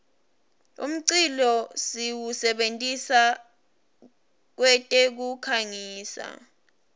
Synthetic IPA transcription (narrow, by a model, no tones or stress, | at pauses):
ṵm̩ǀilɔsiwusɛɓentʼisa | k̬wɛtʼɛk̬ukʰaŋiːsa̰